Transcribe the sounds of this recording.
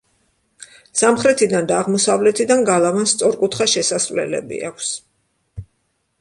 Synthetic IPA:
samχɾɛt̪ʰid̪and̪aːʁmɔsavlɛt̪ʰid̪anɡalˠavanst̪sʼɔɾkʼut̪ʰχaʃɛsasvlɛ̰lɛ̰bḭa̰kʷʰs

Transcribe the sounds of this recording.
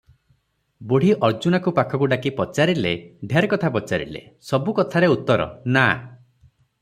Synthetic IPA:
boɽ̤iʔɔɾd͡ʒunakupakʰɔkuɖakipɔt͡ʃaɾileɖʱjaɾkɔt̪ʰapɔt͡ʃaɾḭlḛsɔbukɔt̪ʰaɾeut̪ːɔɾɔ̰na

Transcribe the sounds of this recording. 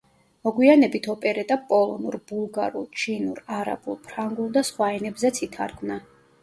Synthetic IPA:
mɔɡwianɛbit̪ʰɔpʼɛɾɛt̪ʼapʼɔlˠɔnuɾb̥ulˠɡaɾṵlˠt͡ʃʰinuɾaɾa̰bulˠpʰɾaŋɡulˠd̪asχwaɛnɛbzɛt̪sʰit̪ʰa̰ɾɡʰmna

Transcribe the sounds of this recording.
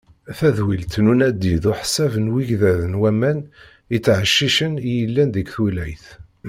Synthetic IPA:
θæðwilt̪nunæd̪ːiðʊħsævənwiʝðæðənwæmæn | it͡sːʕəʃːiʃənjəlːænðəɡθulæjθ

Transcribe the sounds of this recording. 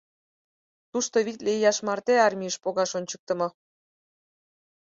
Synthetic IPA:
t̪uʃt̪oβit̪lejɑʃmɑrt̪eɑrmʲiəʃpoɣɑʃonʲt͡ɕə̥k̚t̪ə̆mɤ

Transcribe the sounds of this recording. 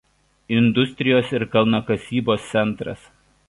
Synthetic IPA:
ɪnd̪ʊsʲt̪ʲɾʲɪjoːsɪɾkɐlˠnɐkɐsʲiːboːst̪sʲɛnˑt̪ɾɐ̰s

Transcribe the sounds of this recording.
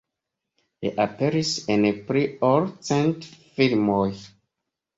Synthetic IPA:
ḭʔapeɾisenpɾioɾt͡sentfilmoj

